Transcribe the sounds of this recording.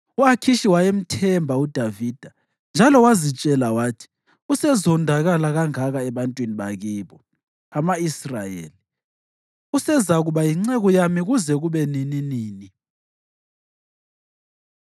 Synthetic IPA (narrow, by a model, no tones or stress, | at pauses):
uakʰiʃiwajem̩tʰɛmbʱaud̥ʱaviːd̥ʱa | nd͡ʒʱalɔwazit͡ʃʼɛlawaːtʰi̥ | usɛzɔndʱaɣalaɣaŋaɣaɛβantʼwiniɓa̰ɣiːβɔ | amaisra̰jḛːli | usɛzaɣuβajiŋ͡ǀɛɣɔjamiɣuzɛɣuβɛnininiːni